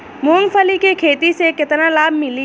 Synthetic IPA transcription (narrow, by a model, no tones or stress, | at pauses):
muːnfʰəlikekʰeːt̪isekɪt̪nalaːbʱmɪli